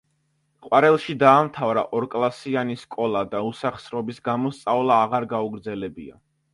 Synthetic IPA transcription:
qʼwaɾɛlˠʃid̪aːmt̪ʰavɾa̰ʔɔɾkʼlˠasianiskʼɔlˠad̪ausaχsɾɔbisɡamɔst̪sʼavlˠaːʁaɾɡauɡɾd̪zɛlɛbia̰

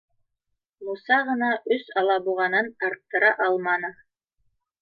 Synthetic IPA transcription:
musɑʁɤ̆nɑʔɵsɑlˠɑbuʁɑnɤnɑɾt̪ːɤ̆ɾɑʔɑlˠmɑnɤ

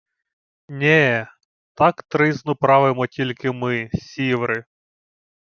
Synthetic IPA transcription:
nʲɛ | t̪ɑkt̪ɾɪznʊpɾɑʋɪmɔtʲilʲkɪmɪsʲiʋɾɪ

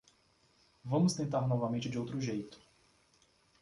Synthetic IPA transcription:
vɐ̃mʊst̪ẽnt̪aɾnɔvɐmẽnt͡ʃɪd͡ʒɪowt̪ɾʊʒejt̪ʊ̥

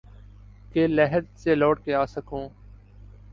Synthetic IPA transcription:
keːlɛɦəɾseːloːʈ̚keːaːsəkõː

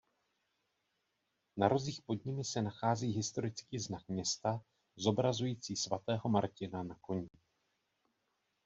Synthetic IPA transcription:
naɾo̞ziːxpo̞dɲɪmɪsɛnaxaːziːɦɪst̪o̞ɾɪt͡skiːznakmɲɛst̪a | zo̞bɾazujiːt͡siːsvat̪ɛːɦo̞maɾcɪnanako̞ɲɪ

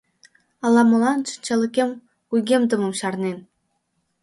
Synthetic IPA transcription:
ɑlˠɑmɤ̆lˠɑnt͡ɕə̥nʲt͡ɕɑlʲɘ̆kʲem | kujɡʲemd̪ɤ̆mɤ̆mɕɑrnen

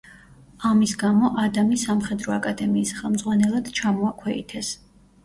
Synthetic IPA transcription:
amisɡamɔʔad̪amisamχɛd̪ɾɔakʼad̪ɛmiːsχɛlˠmd̪zʁwanɛlˠad̪̥t͡ʃʰamɔakʰwɛḭt̪ʰɛs

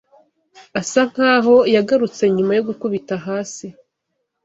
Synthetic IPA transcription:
asaŋ̥haːɦo̞jaɡaɾut͡se̞ɲumajo̞ɡukuβitaɦaːsi

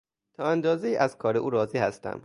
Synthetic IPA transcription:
t̪ʰɒːænd̪ɒːzejiːʔæzkʰɒːɾeʔuːɾɒːziːhæst̪æ̰m

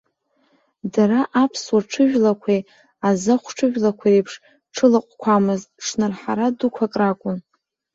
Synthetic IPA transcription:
daɾaʔapʰswaʈ͡ʂʰɨʒᶣlakʷʰe | azɨχʷʈ͡ʂʰɨʒᶣlakʷʰaɾepʰʂ | ʈ͡ʂʰɨlaqʷʼkʷʰamɨztʼʈ͡ʂʰnɨrħaɾadukʷʰakʼrakʷʼʊn

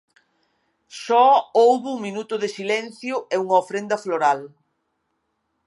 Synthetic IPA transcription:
sɔowβʊuŋminut̪ʊðɪsilɛn̟θjʊʔɛuŋɐofɾend̪ɐfloɾal

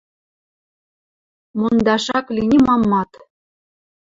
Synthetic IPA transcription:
mund̪ɑʂɑklʲinʲimɑmːɑt̪

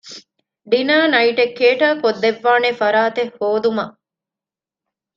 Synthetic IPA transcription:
ɖinaːnɐiʈekːeːʈaːkod̪ːeʋːaːnefɐɾaːt̪ehːoːd̪umɐʔ

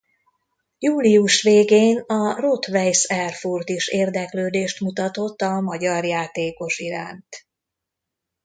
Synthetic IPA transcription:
juːliuʃʋeːɡeːnɒrot̪ʋɛjsɛrfurt̪iʃeːrd̪ɛkløːd̪eːʃt̪mut̪ɒt̪o̞t̪ːɒmɒɟɒrjaːt̪eːko̞ʃiɾa̰ːnt̪

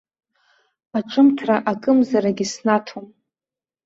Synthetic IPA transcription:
aʈ͡ʂʼɨmtʰraʔakʼɨmzaɾaɡʲisnatʰom

